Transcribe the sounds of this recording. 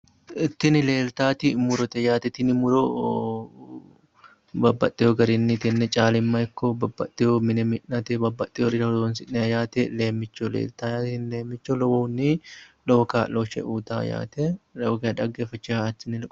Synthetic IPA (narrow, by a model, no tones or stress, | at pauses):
ɪt̪ːɪnɪle̞ːlt̪aːt̪ɪmʊɾɔt̪ɛjaːt̪ɛt̪ːɪnɪmʊɾɔ | bɐbːɐt̪ʼːɛjɔɡɐɾɪnːit̪ɛnːɛt͡ʃʼaːlɪmːɐjɪkːobɐbːɐt̪ʼːɪjomɪnɛmɪnːɐt̪ɛbɐbːɐt̪ʼːɪjoɾɪɾɐɔd̪onsɪnːɛjaːt̪ɛle̞ːmːɪt͡ʃːolḛːlt̪aːjaːt̪ɪnleːmːɪt͡ʃːolɔwonːiloɔkaːloːʃɛ̰ʔuːt̪a̰ːja̰ːt̪ɛlɐwɡɐɐᶑ̪ɐɡːeːfɐt͡ʃːɪat̪ːɪnɪl